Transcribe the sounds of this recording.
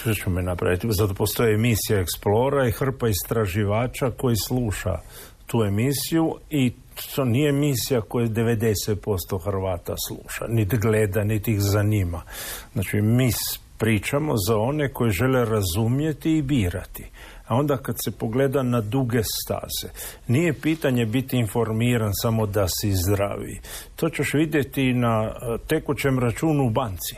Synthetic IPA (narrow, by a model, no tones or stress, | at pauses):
t͡ʃmominapɾa̰ʋit̪izat̪o̞po̞st̪o̞jeemisijaeksplo̞ːɾaixr̩paist̪ɾaʒiʋaːt͡ʃako̞jisluːʃa̰ | t̪uːe̞misijui | t̪onije̞misijako̞jed̪e̞ʋe̞d̪e̞set̪̚po̞st̪o̞xrʋaːt̪aslˠṵːʃa̰nit̪ɡled̪anit̪ixzaɲimaznat͡ʃimiːs | pɾiːt͡ʃamo̞zao̞ne̞ko̞jeʒe̞le̞ɾazumje̞t̪iːbiːɾat̪i̥ | ao̞nd̪akad̪se̞po̞ɡleːd̪anad̪uɡe̞st̪a̰ːz̥e | nije̞piːt̪aɲebit̪iːnfo̞ɾmiːɾansamo̞d̪asizd̪ɾa̰ʋḭt̪o̞ːt͡ɕeʃʋid̪je̞t̪inat̪e̞kut͡ɕe̞mɾat͡ʃuːnuːbant̪si̥